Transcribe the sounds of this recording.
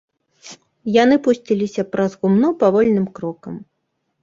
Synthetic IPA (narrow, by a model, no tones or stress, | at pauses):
janɨpusʲt͡sʲilʲisʲɐpɾɐzɣumnɔpavɔlʲnɨmkɾɔkɐm